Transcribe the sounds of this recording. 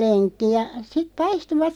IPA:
lenkːi jɑ sit pɑistuʋɑt

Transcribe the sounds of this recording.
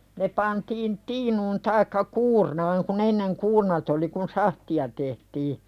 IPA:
ne pɑntiːn tiːnuːn tɑikːɑ kuːrnɑːŋ kun enːeŋ kuːrnɑt oli kun sɑhtiɑ tehtiː

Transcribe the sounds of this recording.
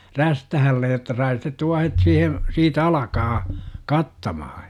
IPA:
ræstæhælːej jotːɑ sɑi sitet tuɑhet siːhe siːt ɑlɑkɑː kɑtːɑmɑhɑ

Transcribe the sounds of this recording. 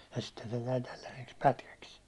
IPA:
jɑ sitːe se jæi tælːæseks pætkæks

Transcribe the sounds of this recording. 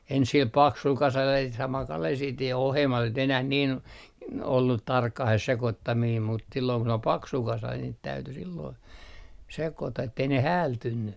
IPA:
ens sil pɑksul kɑsɑl jɑ sit sɑmɑl kɑlel sit jɑ ohemːɑs ei nyt enæh nin olːut tɑrkːɑh se sekotːɑmiːm mut silːoː kun ol pɑksu kɑsɑ niːt tæyty silːoi sekotɑ etːei ne hæːltynːy

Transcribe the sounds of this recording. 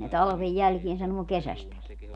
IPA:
ne tɑlɑ̆ʋej jælkien sɑnuo kesæstæki

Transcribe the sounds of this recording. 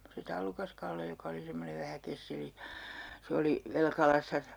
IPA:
se tɑlːukɑskɑlːe jokɑ oli semːoneʋ ʋæhæ kesːeli se oli ʋelkɑlɑsːɑ

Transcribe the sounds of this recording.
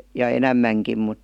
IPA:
jɑ enæmːæŋkim mut

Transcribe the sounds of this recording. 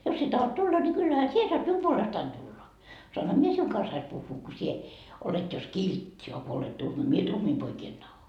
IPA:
jos sie tɑhot tulːɑ ni kylːæhæ sie soɑt mium puolestɑin tulːɑ soɑnhɑ mie siuŋ kɑnsːɑis puhːuː ko sie olet jos kiltːi ɑ ko olet tuhmɑ mie tuhmiː poikiː en tɑho

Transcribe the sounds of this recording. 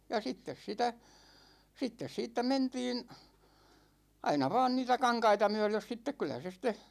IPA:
jɑ sitːes sitæ sitːes siːtːæ mentiːn ɑinɑ ʋɑːn niːtæ kɑŋkɑitɑ myø̞løs sitːek kylæ se sitˑe

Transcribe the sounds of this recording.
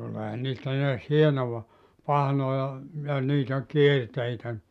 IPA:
tuleːhɑn niːstæ neæs hienoʋɑ pɑhnojɑ jɑ niːtæ kierteitæ

